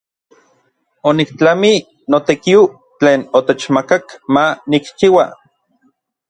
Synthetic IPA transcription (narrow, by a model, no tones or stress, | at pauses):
onikt͡ɬami | not̪ekio | t͡ɬeːnot̪et͡ʃmakakmanikt͡ʃiwa